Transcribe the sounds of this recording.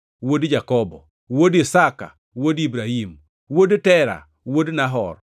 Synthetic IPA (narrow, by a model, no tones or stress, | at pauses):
wodd͡ʒakɔbɔ | wodisaka̰ | wodibɾaɦim | wodtɛɾa̰ | wodnaɦɔ̰r